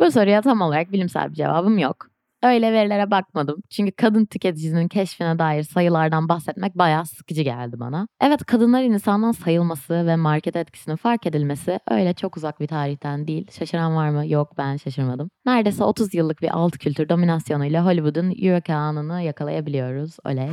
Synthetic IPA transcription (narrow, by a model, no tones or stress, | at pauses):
buso̞ɾujat̪ʰamo̞lˠaɾak̚bilʲimsæ̰lʲbid͡ʒe̞̰va̰ːbɯmjo̞k | ø̞jlʲɛveɾilʲe̞ɾɛbak̚mad̪ɯmt͡ʃʰyɲcy̥kʰad̪ɯnt̪ʰyce̞t̪ʰid͡ʒisinincʰɛʃfinɛd̪aːjiɾsajɯlˠaɾd̪anbaxsɛt̪mɛc̚bajaːsɯ̥kɯd͡ʒɯɟæ̰lʲd̪iba̰naɛvɛt̪kʰad̪ɯnlˠaɾɯninsanlˠansajɯlˠmasɯvɛmaɾcʰɛt̪ʰɛt̪̚cʰi̥sininfaɾke̞d̪ilʲme̞siʔø̞̰jlʲɛt͡ʃʰo̞kuzak̚bit̪ʰaːɾiçt̪ʰænd̪iːlʲʃaʃɯɾanvaɾmɯjok̚bænʃaʃɯɾmad̪ɯmnæɾd̪esɛ̰ːo̞t̪ʰuzjɯlˠːɯk̚biʔa̰lˠt̪cʰylʲt̪yɾd̪o̞minasjo̞nujlʲˠaɦo̞lʲivud̪ynjyɾocʰaːnɯnɯjakʰalˠa̰jabilʲijo̞ɾuzø̰jlʲɛj